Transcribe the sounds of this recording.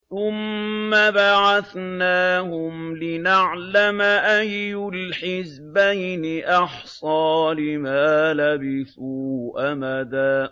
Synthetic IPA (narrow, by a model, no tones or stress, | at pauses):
θʊmːabaʕaθnaːhʊmlɪnaʕlamaʔajːʊlħɪz | bajnɪʔɑħsˤɑːlɪmaːlabɪθuːʔamaðaː